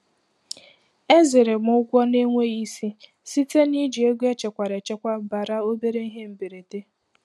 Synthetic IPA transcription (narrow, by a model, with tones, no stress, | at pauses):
e˦zɪ˨ɾe˨mʊ˦ɡʷɔ˦ne˦ŋʷe˦i˦si˦ | si˦te˦ni˦d͡ʒi˨e˦ɡʷe˦t͡ʃe˨kʷa˨ɾe˨t͡ʃe˦kʷa˦ba˨ɾa˦o˦be˦ɾe˦i˦ɦe˦m̩˨be˨ɾe˨te˦